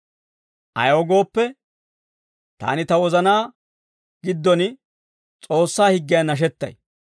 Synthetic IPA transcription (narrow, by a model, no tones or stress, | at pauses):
ʔɐ̰joɡo̞ːpːɛ | t̪a̰ːnɪt̪ɐwɔzɐnaː | ɡ̥ɪd̪ːɔn | t͡sʼo̞ːsːaːhɪɡːɪjɐnɐʃ̬ɛt̪ːɐ̰j